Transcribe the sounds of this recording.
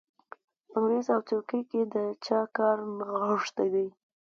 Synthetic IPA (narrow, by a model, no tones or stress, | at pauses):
aŋɾezawt̪okiked̪ət͡ʃɑkɑɾməɣəʂt̪ajd̪aj